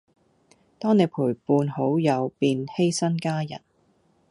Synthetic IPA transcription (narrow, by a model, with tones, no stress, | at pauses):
t̪ɔː˥ŋne˨˧jpʰuː˨˩jpuː˧nho˨˥wjɐ˨˧wpiː˧nhe˥jsɐ˥nkaː˥jɐ̰˨˩n